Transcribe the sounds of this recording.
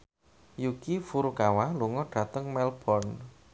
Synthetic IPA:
jukifuɾukawaluŋɔɖ̥a̤t̪əŋmɛlb̥ɔrn

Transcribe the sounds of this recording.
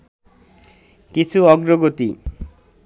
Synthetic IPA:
kit͡ɕʰuɔɡɾoɡot̪ḭ

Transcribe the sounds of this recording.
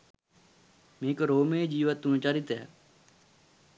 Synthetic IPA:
mẽːkɾoːmẽːd͡ʒiːʋət̪ːunt͡ʃaːɾit̪ɦɛ̰ː

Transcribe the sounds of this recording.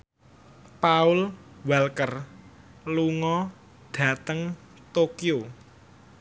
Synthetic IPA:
paʊlwalkər | luŋɔ | ɖ̥ä̤t̪əŋ | t̪okio

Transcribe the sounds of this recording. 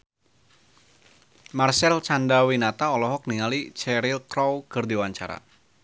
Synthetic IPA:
marsɛlt͡ʃandawinat̪aɔlɔɦɔk̚niŋalit͡ʃɛɾilkɾɔwkərdiwaɲt͡ʃa̰ɾa̰

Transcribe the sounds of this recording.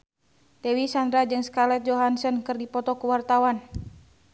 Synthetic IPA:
t̪ɛwisand̪ɾad͡ʒɨŋskalɛt̪̚d͡ʒɔɦansənkɨrdipɔt̪ɔkuwart̪awan

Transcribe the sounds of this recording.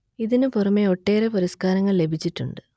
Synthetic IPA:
iðinɨpurɐmːeo̞ʈːe̞ːɾepuɾɐskaːɾɐŋːɐɭle̞bʱit͡ɕːiʈːuɳɖɨ

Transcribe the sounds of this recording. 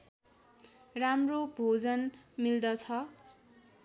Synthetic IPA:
ramrobʱod͡zʌnmild̪ʌt͡sʰʌ

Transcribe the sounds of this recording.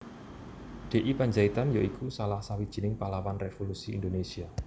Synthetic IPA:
ɖ̪̥e̤ʔipaɲd͡ʒait̪anjoikʰusalahsawid̥ʒ̥i̤nɪŋpalawanrefolusiːnd̪onesia

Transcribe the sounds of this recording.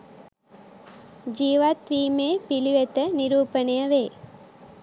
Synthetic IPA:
d͡ʒiːʋaːt̪ʋiːmeːpiliʋet̪ɐniɾuːpɐnɐjɐʋeː

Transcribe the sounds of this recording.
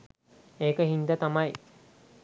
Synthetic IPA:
eːkəɦind̪ət̪amaj

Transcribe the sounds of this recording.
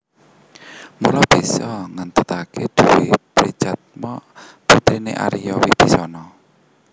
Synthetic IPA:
mulɔb̥isɔŋant̪ət̪akʰed̪̥uwipɾid̥ʒ̥at̪̚mɔ | put̪ɾineʔa̰ɾijɔwib̥isɔnɔ

